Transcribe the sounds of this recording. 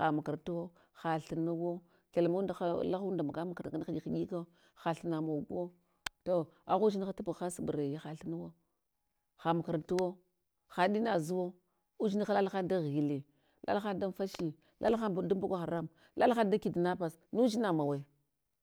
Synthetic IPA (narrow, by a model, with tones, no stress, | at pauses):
a˨ma˨ka˨ɾtu˦wo˦ | xa˨ɬə˨nu˦wo˦ | ke˨lma˦u˦nda˨xa˦la˦xu˦da˨ma˨ɡa˦ma˨ka˨ɾɡa˦xa˦i˦xa˦ɡi˦ka˦ | xa˨ɬə˨na˨mo˨ɡo˦ | to˦a˨ɣu˦d͡ʒi˦ni˦xa˦tu˦pu˨xa˦si˨ba˨ɾe˨ja˦xa˨ɬə˦na˦wo˦ | xa˨ma˨ka˨ɾtu˦wo˦ | xa˨ɗi˦na˨zu˦wo˦ | u˦d͡ʒi˦i˦xa˦la˦lxa˦n˦da˦ɣi˨li˨ | lʔa̰˦lxa˦n˦da˦n˦fa˦ʃi˦ | lʔa̰˦lxa˦bda˦m˦bu˦ɡʷa˦xa˨ɾa˦m | la˦lxa˦nda˦ki˨di˨na˦pa˨s | nu˦d͡ʒi˦na˨ma˨we˨